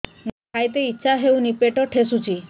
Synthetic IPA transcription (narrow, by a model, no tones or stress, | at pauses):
nkʰajt̪eitːɕʰaɦewnipeʈɔʈʰesut͡ʃʰi